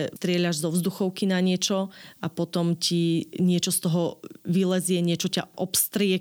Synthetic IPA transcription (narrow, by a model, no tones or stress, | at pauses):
t̪ɾɪɛʎaʒzɔʊzd̪uxɔʊkinaɲɪɛt͡ʃɔʔapɔt̪ɔmcʰiɲɪɛt͡ʃɔst̪ɔɦɔʋilɛzɪɛɲɪɛt͡ʃɔca̰ʔɔpst̪ɾɪɛ